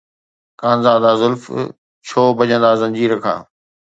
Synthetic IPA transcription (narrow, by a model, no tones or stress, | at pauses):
kaːnzaːd̪aːzʊlf | t͡ɕʰoːbɐd͡ʑə̃nd̪aːzɐ̃ɲd͡ʑiːɾkʰã̰ː